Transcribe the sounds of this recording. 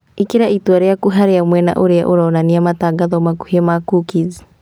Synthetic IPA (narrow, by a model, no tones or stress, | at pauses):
ikeɾaitwaɾeakuɦaɾeamwɛna̰ʔoɾea̰ʔoɾɔːnaniamataɡaðɔmaku̥hiɛmakukizi̥